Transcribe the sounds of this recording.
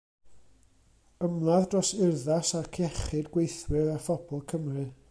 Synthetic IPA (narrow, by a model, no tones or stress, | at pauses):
əmlˠaðdrɔsɪrðasarkʰɛχɨdɡwejθwɨɾarfɔb̥ɔlˠkʰəmrɨ